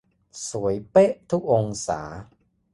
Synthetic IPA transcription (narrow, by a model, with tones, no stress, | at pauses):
su˩˦əjpe˦˥ʔt̪ʰu˦˥k̚ʔo˧ŋsa̰ː˩˦